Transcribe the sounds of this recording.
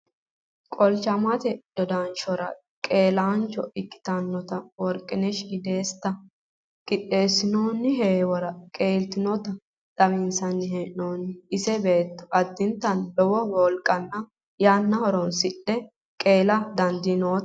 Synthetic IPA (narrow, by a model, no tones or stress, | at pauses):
kʼɔlt͡ʃɐmɐt̪ɛd̪̥ɔd̪aːnt͡ʃɔɾɐ | kʼe̞ːlaːnt͡ʃːɔɪkːɪ̥t̪ɐnːɔt̪ɐwɔɾkʼɪnɛʃɪd̪e̞ːst̪ːɐ | kʼɪt̪ʼːe̞ːsːɪnoːnːɪɦeːwɔɾɐkʼeːlt̪ɪnɔt̪ɐ | d̪ɐβɪnsɐnːɪhenoːnːɪɪsɛbe̞ːt̪ːɔ̥ʔɐd̪ːɪnt̪ːɐnlɔwɔwɔlkʼːɐnːɐ | jaːnːɐhɔɾɔnsɪᶑɛ | kʼe̞ːlɐd̪ɐnd̪ɪnoː